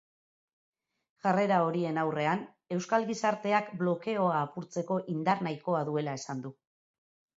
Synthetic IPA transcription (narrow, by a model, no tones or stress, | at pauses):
ʝare̞ɾao̞ɾie̞nawre̞an | e̞wskalɣisaɾt̪e̞akblo̞ke̞o̞aːpuɾt͡se̞ko̞ʔind̪aɾnajko̞aðue̞lae̞sand̪u